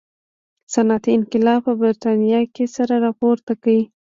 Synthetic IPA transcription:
sanat̪iɪnqɪlɑpəbɪɾt̪ɑnijɑkesaɾaɾɑpoɾt̪akawi

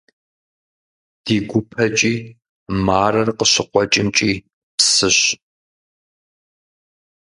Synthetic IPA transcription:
d̥iːɡʷʊpʰɐt͡ʃʼiː | maːrɐrqəɕɪqʷɔt͡ʃʼɪmt͡ʃʼiː | psɨɕ

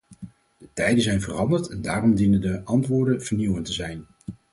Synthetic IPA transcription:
d̥ətɛjdəzɛjnvərɑndəɹtɛndaːrɔmdinəndəʔɑntʋʊːɹdənv̥əɹniwəntəzɛjn

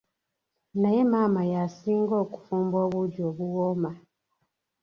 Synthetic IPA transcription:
najemamajasiŋɡɔku̥fumboβuɟoβuwɔma

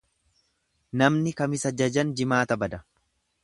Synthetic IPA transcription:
nɐmnɪkɐmɪsɐd͡ʒɐd͡ʒɐnd͡ʒɪmaːt̪ɐbɐd̪ɐ

